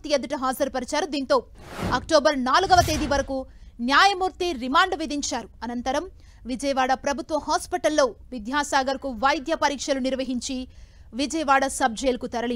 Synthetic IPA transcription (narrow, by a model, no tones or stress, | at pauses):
t̪ijɐd̪ɐʈɐɦaːzɐɾpɐɾɐt͡ʃaːɾud̪iːnt̪o̞ːɐkʈoːbɐɾnaːluɡɐʋɐt̪eːd̪iʋɐɾɐkunjaːjɐmuːɾt̪iɾimaːɳɖʋid̪ʱiɲt͡ʃaːɾuɐnɐnt̪ɐɾɐm | ʋid͡ʒɐjɐʋaːɽɐpɾɐbʱut̪ʋɐhaːspiʈɐlːo̞ːʋid̪jaːsaːɡɐɾkuʋɐjd̪jɐpɐɾiːkʂɐluniɾʋɐɦiɲt͡ʃi | ʋid͡ʒɐjɐʋaːɽɐsɐb̚d͡ʒɐjlɐkut̪ɐɾɐɭi